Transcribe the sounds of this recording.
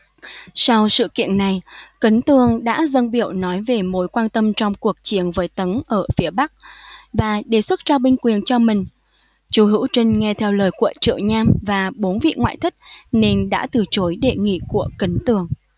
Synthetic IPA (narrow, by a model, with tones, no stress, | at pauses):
sa˧wsɨ̰˧˨kḭ˧˨ənːa˨˩jkə˨˦nt̪ɨ˨˩əŋɗa̰ː˧˥zə˧nɓi˧˩əwnɔ˨˦jve˨˩mo˨˦jkwaː˧nt̪ə˧mt͡ɕɔ˧wŋ͡mku˨˩ək̚t͡ɕi˨˦ənvəː˨˦jt̪ə˨˦nʔəː˧˩fi˨˦əɓa˦˥k̚vaː˨˩ɗe˧˩swə˦˥t̚t͡ɕɔ˧ɓï˧ŋ̟kwi˨˩ənt͡ɕɔ˧mï˨˩ŋ̟ | t͡ɕu˨˦ɦɨ̰˧˥wt͡ɕə˧ŋŋɛ˧t̪ʰɛ˧wləː˨˩jku˧˩˨t͡ɕɨ̰˧˨əwɲaː˧mvaː˨˩ɓo˨˦nvḭ˧˨ŋwa̰ː˧˨jt̪ʰi˦˥t̚ne˧nɗa̰ː˧˥t̪ɨ˨˩t͡ɕo˨˦jɗe˧˩ŋḭ˧˨ku˧˩əkə˨˦nt̪ɨ˨˩əŋ